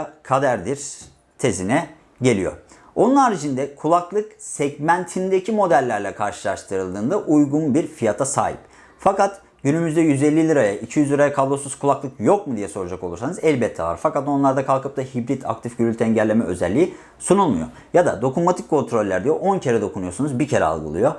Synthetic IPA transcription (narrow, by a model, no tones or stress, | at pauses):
kʰad̪æɾd̪iɾ | t̪ʰe̞zinɛ | ɟe̞lʲḭjo̞̰ | o̞nunaːɾit͡ʃʰind̪ɛkʰulˠaklˠɯksɛɟmænt̪ʰind̪ecʰimo̞d̪ælʲːæɾlʲɛkʰaɾʃɯlˠaʃt̪ʰɯɾɯlˠd̪ɯːnd̪aʔujɡunbiɾfijat̪ʰasa̰ːɦḭp | fakat̪ | ɟ̥ynymyzd̪ɛjyze̞lʲːilʲiɾajaʔicʰijyzlʲˠiɾajakʰalˠːosuuz̥kʰulˠaklˠɯkjo̞k̚mud̪ijɛso̞ɾud͡ʒakolˠuɾsanɯzɛlʲbɛt̪ʰːɛva̰ɾfakat̪o̞nlˠaɾd̪akʰalˠkɯp̚t̪ahibɾit̪ʰa̰k̚t̪ʰifɟyɾʲylʲt̪ʰɛɛɲɟælʲːemɛʔø̞̰zɛ̰lʲːiji | sunulˠmṵjo̞̰ | jad̪a̰d̪o̞kumat̪ʰi̥kʰːo̞nt̪ʰɾo̞lʲːæɾd̪ijoʔo̞ncʰe̞ɾɛd̪o̞kʰunujo̞sunuzbicʰe̞ɾɛ̰a̰lˠɡɯ̰ɯ̰jo̞